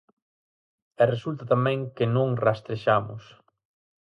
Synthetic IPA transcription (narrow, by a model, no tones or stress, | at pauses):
ɛresult̪at̪amɛ̃ŋkɪnõŋrast̪ɾeʃamʊ̰s